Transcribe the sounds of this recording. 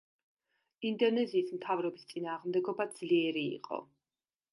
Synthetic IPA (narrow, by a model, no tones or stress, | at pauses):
ind̪ɔnɛziːsmt̪ʰavɾɔbist̪sʼinaːʁmd̪ɛɡɔbad̪z̥liɛɾḭːqʼɔ̰